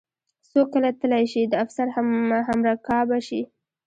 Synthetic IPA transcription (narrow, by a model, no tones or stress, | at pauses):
sokːəlat̪əlajʃid̪əafsaɾhamɦamɾakɑbaʃi